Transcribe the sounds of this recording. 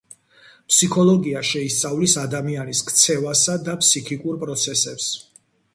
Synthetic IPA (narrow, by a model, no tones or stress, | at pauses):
pʰsikʰɔlˠɔɡiaʃɛist̪sʼavlisad̪amianiskʰt̪sʰɛvasad̪apʰsikʰikʼuɾpʼɾɔt̪sʰɛsɛps